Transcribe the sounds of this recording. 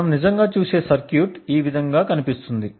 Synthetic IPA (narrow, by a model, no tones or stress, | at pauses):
ɐmnid͡ʒɐŋɡaːt͡ʃuːse̞ːsɐɾkjuːʈiːʋid̪ʱɐŋɡaːkɐnipist̪und̪i